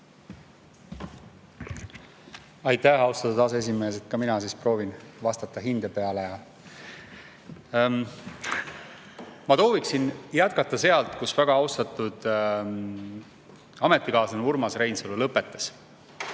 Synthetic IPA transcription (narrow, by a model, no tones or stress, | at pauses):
ɑjt̪ˑːæhɑwst̪ɑt̪ud̪ɑs̬ees̬ime̞ːs̬e̞t̪̚kɑminɑsiːspro̞ːvinvɑst̪ɑt̪ːˑɑɦind̪̥epe̞ɑlejɑ | mɑt̪o̞ːviksinjæt̪̚kɑt̪ːˑɑse̞ɑlt̪ˑkusvæɡ̥ɑɑwst̪ɑt̪ːˑud̪̥ | ɑmet̪ˑːikɑːsɑnuurmɑsɾe̞jnsulːulɤpːˑet̪ːˑe̥s